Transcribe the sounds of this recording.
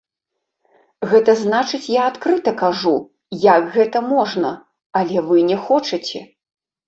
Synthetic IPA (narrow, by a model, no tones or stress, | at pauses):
ɣɛt̪ɐznat͡ʂɨt͡sʲjaːt̪kɾɨt̪ɐkaʐu | jakɣɛt̪ɐmɔʐnɐ | ɐlʲɛvɨnʲɛxɔt͡ʂɐt͡sʲɛ